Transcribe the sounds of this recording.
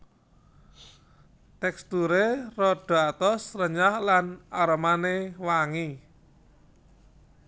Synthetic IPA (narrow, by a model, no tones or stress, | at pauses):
t̪ɛkst̪uɾerɔɖ̥ɔ̤at̪ɔsrəɲahlanaɾɔmanewaŋi